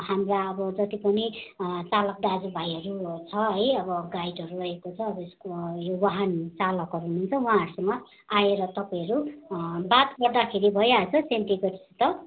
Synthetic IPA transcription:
hamraʌbʌd͡zʌt̪ipʌnit͡salʌk̚ɖad͡zubʱajɦʌɾut͡sʰʌʌjʌbʌɡajʈʌɾurʌɦekot͡sʰʌːbʌeskojowaɦant͡salʌkɦʌɾununt͡sʰʌwɦãɦʌɾusʌmːʌ | aeɾʌt̪ʌpaj̃ɦʌɾubat̪ɡʌrd̪akʰeɾibʱʌjat͡sʰʌsent̪iɡʌʈsit̪ʌ

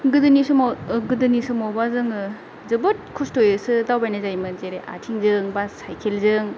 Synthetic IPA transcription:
ɡɯdɯnisumaɡɯdɯnisɯmawbazɯŋɯ | zɯbɯt̚kʰɔstojɯsɯdawbajnazajmɯnzeɾeʔa̰tʰiŋzɯŋbasajkʰelzɯŋ

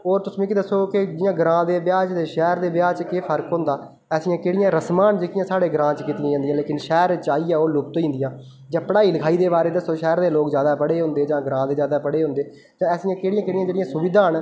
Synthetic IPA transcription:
ɔːɾt̪ʊsmẽːkid̪əsːoːkɪd͡ʒɪjãːɡɾãːd̪eːbjaːd͡ʒd̪eːʃɛːɾd̪eːbjaːt͡ʃkeːpʰəɾkɦʊ̃ːnd̪aː | ɛːsɪjãːkeːɽɪjãːɾəsmaːnd͡ʒeːkɪjãːsaːɽeːɡɾãːt͡ʃkiːt̪ɪjãːãnd̪ijãːleːkɪnʃɛːɾt͡ʃaːiːaːoːlʊp̚t̪oːĩːnd̪ɪjãː | d͡ʒãːpəɽaːiːləkʰaːiːd̪eːbaːɾeːd̪əsːoːʃɛːɾd̪eːloːkzjaːd̪aːpəɽeːɦʊ̃ːnd̪eːd͡ʒãːɡɾãːd̪eːzjaːd̪aːpəɽeːɦʊ̃ːnd̪eː | d͡ʒãːɛːsijãːkeːɽijãːkeːɽijãːd͡ʒeːɽɪjãːsʊʋɪd̪aːn

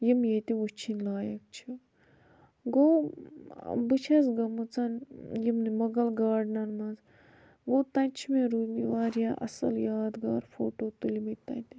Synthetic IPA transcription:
jimjet̪iʋut͡ʃʰinlaːjɐk̚t͡ʃʰi | ɡoː | bɨt͡ʃʰɐzɡɐmut͡sɐnjimnimɐɡɐlɡaːɖnɐnmɐnz | ɡoːt̪ɐ̃nt͡ʃʰimẽɾudiʋaːɾjaʔɐ̰sɐ̰ljaːd̪ɡaːɾfoːʈoːt̪ulimit̪ɐ̰̃t̪i

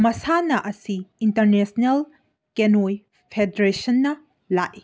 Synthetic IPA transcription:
mɐsanɐʔɐsiintɐɾnesnel | kenoj | pʰedɾesɐnːɐ | laʔi

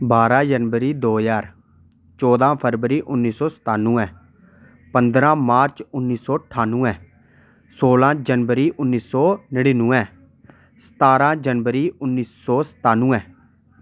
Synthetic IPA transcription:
baːɾãːd͡ʒənʋəɾiːd̪oːjaːɾ | t͡ʃɔːd̪ãːpʰəɾʋəɾiːʔʊnːiːsɔːsə̥t̪aːnːũːɛ̃ː | pənd̪ɾãːmaːɾt͡ʃʊnːiːsɔːʈʰaːnũːɛ̃ː | soːlãːd͡ʒənʋəɾiːʔʊnːiːsɔːnəɽiːnũːɛ̃ː | sə̥t̪aːɾãːd͡ʒənʋəɾiːʔʊnːiːsːɔːsə̥t̪aːnũːɛ̃ː

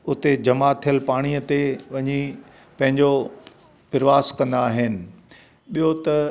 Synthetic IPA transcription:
ʊt̪ed͡ʑɐmat̪ʰijəlpaːɽ̃ijət̪eʋɐɲi | pɐ̃ɦɪ̃ɲd͡ʑo | pɪɾɪʋaːskɐ̃nd̪aːɦɪnɪ̆ | ɓijot̪ɐ

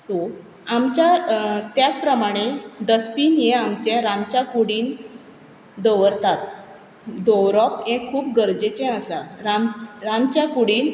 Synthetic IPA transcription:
so | amt͡ɕjat̪jat͡spɾəmaɽ̃eɖəspiːnjeamt͡ɕẽɾãnt͡ɕakuɽiːn | d̪əʋəɾt̪at̪̚ | d̪ɔwɾɔpẽkʰːuːpɡəɾd͡ʑet͡ɕẽəsaɾaɾãnt͡ɕjakuɽiːn

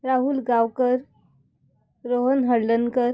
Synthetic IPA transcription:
ɾaɦuːlɡawkəɾ | ɾoɦənɦəɽlənkəɾ

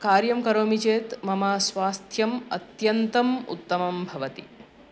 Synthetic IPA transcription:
kaːɾjɐmkɐɾoːmit͡ʃeːt̪mɐmaːsʋaːst̪ʰjɐmɐ̰t̪jɐnt̪ɐmṵt̪ːɐmɐmbʱɐʋɐt̪ḭ

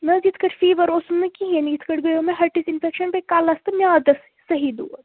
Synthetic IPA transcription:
nɐd͡ʒit̪ʰkəʈfiːʋɐɾosnɐkiɦenjit̪ʰkɐʈɡɐjõmẽɦɐʈisinfʰekʃɐnpekaːlɐst̪ɐmjaːd̪ɐs | sɐɦid̪ṵːɐ

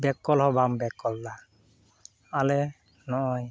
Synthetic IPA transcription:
bɛkːɔlhɔbambɛkːɔlːa | alɛ | nɔʔɔj

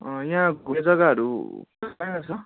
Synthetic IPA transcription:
ʌjaãɡʱuned͡zʌɡaɦʌɾṵkusajnʌsʰʌ

